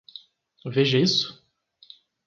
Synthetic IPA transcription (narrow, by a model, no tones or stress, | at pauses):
veʒɐisʊ̥